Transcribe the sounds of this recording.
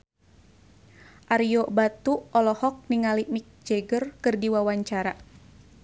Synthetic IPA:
ʔaɾijobat̪uɔlɔhɔk̚niŋalimik̚d͡ʒeɡərkɨrdiwawaɲt͡ʃaɾa

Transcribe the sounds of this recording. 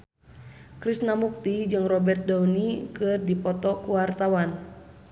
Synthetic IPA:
kɾisnamuk̚t̪id͡ʒɨŋrɔbɛrt̪̚daunikɨrdipɔt̪ɔkuwart̪awan

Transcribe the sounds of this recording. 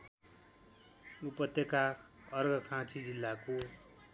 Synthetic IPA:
upʌt̪ːeka | ʌrɡʌkʰãt͡sʰid͡zilːako

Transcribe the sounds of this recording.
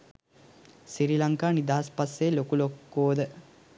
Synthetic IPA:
siɾilaŋkaːnid̪aːspaselokulokːoːd̪ə

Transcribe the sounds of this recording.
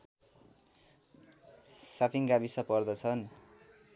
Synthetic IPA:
sapʰiŋɡabisʌpʌrd̪ʌt͡sʰʌn

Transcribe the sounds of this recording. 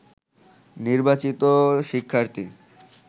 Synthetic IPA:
niɾbat͡ɕit̪oʃikʰːaɾt̪i

